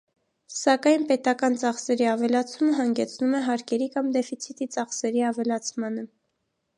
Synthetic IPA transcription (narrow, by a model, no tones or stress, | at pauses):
sɑkɑjnpɛt̪ɑkɑnt͡sɑχsɛɾiɑvɛlɑt͡sʰuməɦɑŋɡɛt͡sʰnumɛɦɑɾkɛɾikɑmd̪ɛfit͡sʰit̪it͡sɑχsɛɾiɑvɛlɑt͡sʰmɑnə